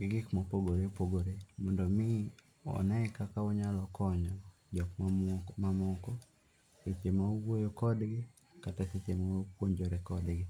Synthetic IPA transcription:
ɡɪɡɪkmɔpoɡoɾepoɡoɾemɔndɔmɪ | ɔ̰nɛkakaɔɲalɔkɔɲɔ | d͡ʒɔkmmamɔkɔ | set͡ʃemawojokɔdɡɪ | kataset͡ʃemaopwoɲd͡ʒoɾekɔdɡɪ

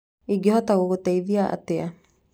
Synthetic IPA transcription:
iɡeɦɔtaɣoɣotɛiðiaʔa̰tea

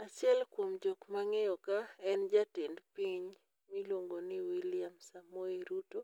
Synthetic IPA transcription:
at͡ʃɪɛlkwomd͡ʒokmaŋɛjɔkaɛnd͡ʒatendpiɲ | milwoŋɡonɪwiljamsamoeɾuto

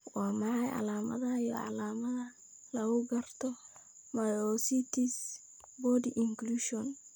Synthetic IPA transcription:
wɑːmɑħɑjʕɑ̰laːmɐ̰ðɐjɔ̰ʕɑ̰laːmɐðɐ | lɐɣʊɡɐrt̪ʰɔ | majɔsit̪ʰis | bɔdiʔɪŋkluʃɔn

